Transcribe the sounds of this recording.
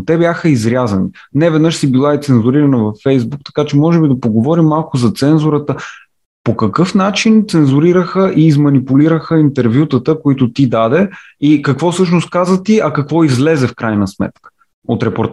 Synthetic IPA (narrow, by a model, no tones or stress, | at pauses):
t̪ɛbjaxəizɾʲazɐninɛvɛd̪nɤʃsibilˠaɛt̪sɛnzuɾiɾɐnəvɐfːɛjzbuk̚t̪ɐ̥kat͡ʃɛmɔʒɛbid̪ɐpoɡovɔɾimːalˠkʊzɐt̪sɛnzʊɾət̪ə | pokɐkɤfnat͡ʃint̪sɛnzuɾiɾəxəʔiːzmɐnipʊliɾəxəint̪ɛɾvjut̪ət̪əkoit̪ʊt̪id̪ad̪ɛ | ikɐkvɔsɤʃnost̪̚kazət̪iɐkɐkvɔizlɛzɛfkɾajnəsmɛ̰t̪kə̥ | ot̪ɾɛpoɾt̪